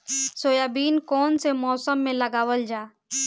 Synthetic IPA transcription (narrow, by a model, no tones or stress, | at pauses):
soːjaːbiːnkɔːnsemɔːsəmːẽləɡaːʋəld͡ʒaː